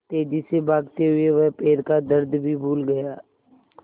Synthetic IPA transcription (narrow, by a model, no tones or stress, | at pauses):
t̪eːd͡ʒisebʱaːɡt̪eɦʊeʋɛɦpeːɾkad̪əɾd̪ʱbʱibʱuːlɡɐjaː